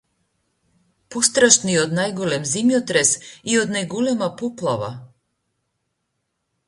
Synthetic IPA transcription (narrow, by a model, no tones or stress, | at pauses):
pɔst̪ɾaʃniod̪najɡɔlɛmzimjɔt̪ɾɛsiɔd̪najɡɔlɛmapɔplˠava̰